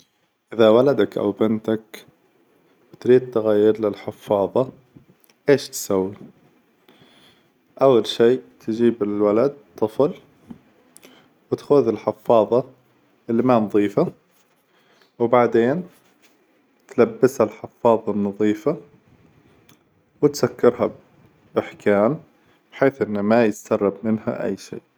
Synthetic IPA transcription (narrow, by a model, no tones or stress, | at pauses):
ʔɪðawalad̪akʔa̰wbɪnt̪ak | wɪt̪ɾiːd̪̚t̪aɣajːɪɾlɪlħɪfːɑːðˤɑ | ʔeːʃt̪sawːi | ʔawːalʃiːt̪ɪd͡ʒiːbɪlwalad̪̚t̪ˤːɨfl | wɪt̪xʊðɪlħɪfːɑːðˤɑ | ʔɪlːɪmanðˤiːfa | wbaʕd̪eːn | t̪labːɪshalħɪfːɑːðˤɑnːɑðˤiːfa | wɪt̪sakːɪɾɦab | ʔɪħkʰaːn | b̥ħeːθʔɪnːamajɪssɑrˤːɑbmɪnha̰ʔa̰jːʃḭːʔ